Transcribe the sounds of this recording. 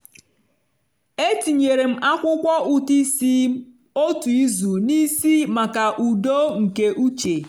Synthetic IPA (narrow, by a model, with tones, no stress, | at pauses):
e˦ti˨ɲe˨ɾe˨m̩˦ʔa˦kʷʊ˦kʷɔ˦u˨ti˦si˦ | o˦tu˨i˦zu˨ni˦si˦ma˨ka˨ʔu˨do˦ŋ̩˨ke˦ʔu˦t͡ʃe˨